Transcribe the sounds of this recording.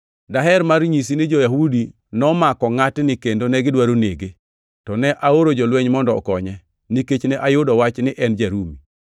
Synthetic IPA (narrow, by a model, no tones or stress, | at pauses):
daɦɛɾmarɲis̬inɪd͡ʒojaɦudi | nɔmakɔŋatnɪkendonɛɡɪdwaɾoneɡe | tɔnɛʔaoɾod͡ʒɔlwɛɲmɔndɔɔ̰kɔɲɛ | niket͡ʃnɛʔajʊdɔwat͡ʃnɪʔɛnd͡ʒaɾumi